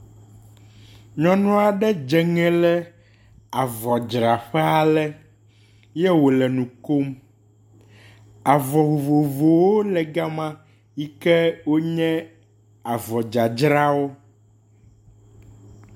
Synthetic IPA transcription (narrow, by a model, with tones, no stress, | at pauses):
ɲɔ̃˦nũ˦a˨ɖɛ˦d͡ʒɛ˨ŋɛ̃˦lɛ˦ | a˨vɔ˨d͡ʒɾa˨ɸɛ˦a˨lɛ˦ | jɛ˦wo˨lɛ˨nũ˨ko˦m | a˨vɔ˨vo˨vo˨vo˨wo˦lɛ˨ɡa˦mã˦ | ji˦kɛ˦wo˦ɲɛ̃˦ | a˨vɔ˨d͡ʒa˨d͡ʒɾa˦wo˦